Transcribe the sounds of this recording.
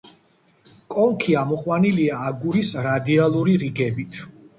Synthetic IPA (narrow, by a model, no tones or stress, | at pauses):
kʼɔŋkʰiamɔχʼwaniliaːɡuɾisɾad̪ialˠuɾiɾiɡɛbit̪ʰ